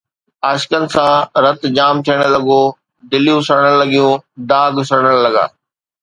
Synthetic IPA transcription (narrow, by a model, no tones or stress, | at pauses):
aːʃkənɪ̆sãɾɐt̪d͡ʑaːmt̪ʰijəɽ̃əlɐɡo | d̪ɪljũsəɽ̃ə̃lɐɠijũd̪aːɡʱsəɾɽ̃əɽlɐɡa̰ː